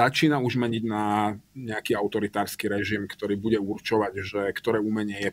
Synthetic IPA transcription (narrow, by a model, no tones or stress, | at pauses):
at͡ʃiːnauʒmɛɲiɟnaɲɛakiːaʊt̪ɔɾit̪aːɾskiɾɛʒimkt̪ɔɾiːbuɟɛuɾt͡ʃɔʋaɟʒɛkt̪ɔɾɛːumɛɲɛjɛ